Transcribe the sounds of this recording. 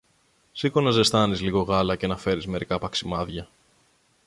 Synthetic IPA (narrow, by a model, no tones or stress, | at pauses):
sikonɐze̞st̪ɐnizliɣo̞ɣɐlɐce̞nɐfe̞ɾizme̞ɾikɐpɐksimɐðʝɐ